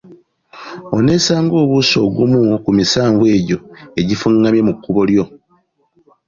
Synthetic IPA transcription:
o̞ne̞ːsaːŋɡo̞ːβuso̞ːɡumukumisaːɱvwe̞ːɟo̞e̞ɟifuŋːamje̞mukːuβo̞ljo̞

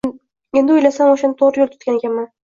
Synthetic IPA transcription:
e̞nd̪ɪojlasamoʃanɪt̪ʰoɾjolˠt̪ʰʊ̥t̪̚kʲanɪɡʲaman

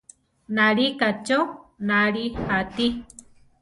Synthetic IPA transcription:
naɾikat͡ʃonaɾihat̪i

